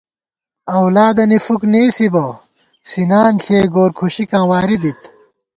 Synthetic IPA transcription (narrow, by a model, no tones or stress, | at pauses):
ɐwlaːd̪ɐnifukneːsibɐ | sinaːnɬʰeːɡoːɾkʰuɕikãːwaːɾid̪it̪